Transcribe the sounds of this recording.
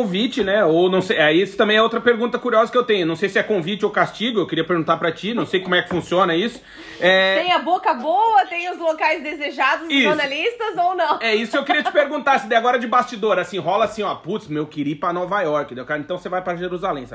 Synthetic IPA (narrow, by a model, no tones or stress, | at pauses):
õvit͡ʃɪnɛonɐ̃w̃sejaiesʊ̥t̪ɐ̃mbẽj̃ɛowt̪ɾɐpeɾɡũt̪ɐkuɾiɔzɐkɪewt̪ẽjɲʊnɐ̃w̃sejsɪɛkõvit͡ʃɪowkast͡ʃiɡʊewkɪɾiɐpeɾɡũt̪aɾpɾɐt͡ʃinɐ̃w̃sejkomʊɛkɪ̥fũsiõnɐisʊ̥ | ɛẽj̃ɐbokɐboɐt̪ẽj̃ʊzlokajzd̪ezeʒad̪ʊziʒosɾnalist̪ɐzownɐ̃w̃ɛisʊkɪewkiɾiɐt͡ʃɪ̥peɾɡũnt̪aɾsɪd̪ɛjaɡɔɾɐd͡ʒɪbast͡ʃid̪oɾasĩɦɔlɐasĩɔput̪smewkiɾipɾɐnɔvajɔɾkɪd̪ewkaɾẽt̪ɐ̃w̃sevajpɾɐʒeɾuzalẽj̃sa̰